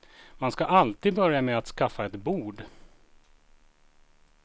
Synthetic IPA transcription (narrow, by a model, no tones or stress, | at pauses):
manskaʔalt̪iːd̪̚bœɾjamɛat̪skafːaɛt̪buːɖ